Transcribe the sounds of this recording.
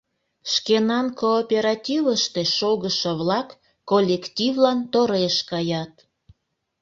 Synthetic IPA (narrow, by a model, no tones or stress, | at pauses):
ʃkenɑnkoːpʲeɾɑtʲivəʃt̪eʃoɣəʃə̆βlɑkː | olʲːektʲivlɑnt̪oɾeʃkɑjɑt̪